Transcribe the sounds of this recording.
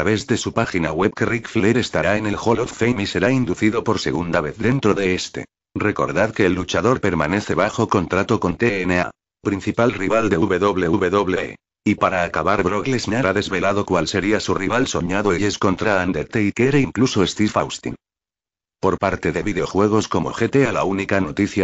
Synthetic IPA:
t̪aβe̞zðe̞supaxinaɣwe̞βkerikfleɾest̪aɾaenelxoloffejmise̞ɾaind̪uθiðo̞po̞ɾse̞ɣ̞und̪aβe̞θde̞nt̪ɾo̞ðe̞est̪e̞̰ | re̞ko̞̰ɾðaðke̞ːlːut͡ʃaðo̞ɾpe̞ɾmane̞θe̞βaxo̞ko̞nt̪ɾat̪o̞ko̞nt̪eenea̰ | pɾin̟θipalriβald̪e̞uβe̞ðo̞βle̞uβe̞ðo̞βle | ipaɾaːkaβaɾβɾoɣleznaɾaðe̞zβe̞laðo̞kwalse̞ɾiasuriβalso̞ɲaðoeʎe̞sko̞nt̪ɾaand̪eɾt̪eikeɾeiŋkluso̞est̪ifawst̪ḭn | po̞ɾpaɾt̪e̞ðe̞βiðeo̞xwe̞ɣ̞o̞sko̞mo̞̰xet̪e̞alaunikano̞t̪iθja

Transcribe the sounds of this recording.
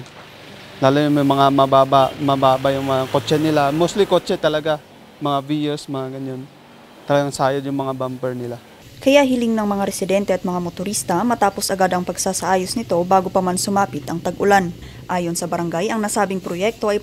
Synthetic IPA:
laːlojʊmɐjmɐŋamɐbaːbamɐbaːbajʊŋmɐŋakot͡ʃɛnɪlamoslɪkot͡ʃɛt̪ɐlɐɡa | mɐŋavijɛsmɐŋaɡɐnon | t̪ɐlɐɡaŋsaːjɐd̪jʊŋmɐŋabampɛɹnɪla | kɐjaɦɪlɪŋnɐŋmɐŋaɾɛsɪd̪ɛnt̪ɛɐt̪̚mɐŋamot̪ʊɾiːst̪ɐmɐt̪aːpo̞sʔɐɡad̪ɐŋpɐɡsaːsɐʔaːjosnɪt̪o̞baːɡopɐmansʊmaːpɪt̪ʔɐŋt̪ɐɡʔʊlan | ʔaːjo̞nsɐbɐɾɐŋɡajʔɐŋnɐsaːbɪŋpɾojɛk̚t̪o̞ʔɐj

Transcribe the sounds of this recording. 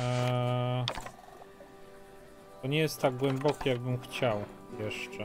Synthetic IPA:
t̪ɔɲɛjɛst̪ːaɡ̚ɡwɛmbɔkʲijaɡbɘmxt͡ɕawjɛʂt͡ʂɛ

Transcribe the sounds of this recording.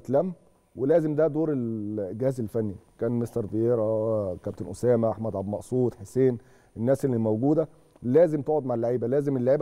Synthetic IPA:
t̪læmː | welæːzemd̪æd̪oːɾelɡehæːzelfænːikæːnmest̪ɑɾˤd̪ijeːɾækæb̚t̪enʔosæːmæʔaħmæd̪ʕabmɑʔsˤuːt̪ħeseːn | ʔenːæːselːimæwɡuːd̪æ | læːzemt̪oʕod̪maʕlːaʕiːbælæːzemelːaʕiːbæ

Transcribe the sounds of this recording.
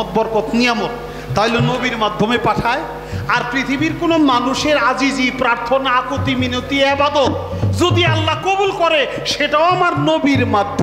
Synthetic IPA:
ɔt̪̚bɔɾkot̪nijamot̪ | t̪aɦilenobiɾmad̪ʱːomepaʈʰae | aɾpɾit̪ʰibiɾkonomanuʃeɾad͡ʑid͡ʑipɾaɾt̪ʰonaakot̪iminot̪iɛbad̪ot̪̚ | d͡ʑod̪ialːakobulkɔɾe | ʃeʈaoamaɾnobiɾmad̪ʱː

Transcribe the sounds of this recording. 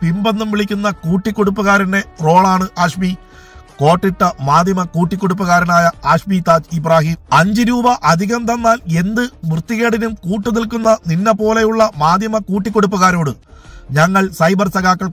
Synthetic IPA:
pimbɐnːumʋiɭikʲːunːɐkuːʈːikʲːo̞ɽupːuɣaːɾinde̞ro̞ːɭaːɳɨʔaːʂmi | ko̞ːʈːiʈːɐmaːd̪jɐmɐkuːʈːikʲːo̞ɽup̬ːɐɣaːɾɐnaːjɐaːʂmit̪aːd͡ʑibraːɦiɐɲd͡ʑiɾuːbɐʔɐd̪ʱiɣɐmt̪ɐnːaːle̞nd̪ɨmrɨt̪ːiɣeːɽinumkuːʈːunilkunːɐninːɐpo̞ːle̞juɭːɐmaːd̪ʱjɐmɐkuːʈːikʲːo̞ɽupːuɣaːɾo̞ːɽɨ | ɲɐŋːɐɭsɐjbɐrsɐɣaːkːɐɭ

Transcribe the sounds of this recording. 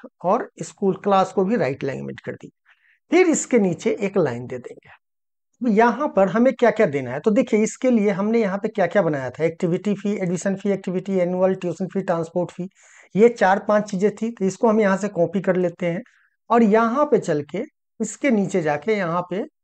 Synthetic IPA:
ɔːɾɪskuːlklaːskobʱiɾa̰ːɪʈlã̰ɪ̃ŋɡmɪ̰ʈkɐ̰ɾd̪ḭːa | pʰɪɾɪskeniːt͡ʃeʔeːkla̰ːɪnd̪eːd̪ḛ̃ːŋɡeː | bjɐɦãpɐɾɦɐmẽkjakjad̪eːna̰ɦɛt̪od̪eːkʰieɪskelieɦɐmnejɐɦãpekjaːkjabɐnaːjat̪ʰaɛːk̚ʈɪʋɪʈipʰieːɖɪʃə̃nfʰiɛːk̚ʈɪʋɪʈiɛːnuəlʈjuːsənfʰiʈɾãːnspoːɾʈfʰiː | jet͡ʃaːɾpãːt͡ʃt͡ʃiːd͡ʒẽt̪ʰiɪskoɦɐmjɐɦãsekɔ̃ːpikɐɾleːt̪eɦɛ̃ː | ɔːɾjɐɦãpet͡ʃɐlke | ɪskeniːt͡ʃed͡ʒaːkejɐɦãpe

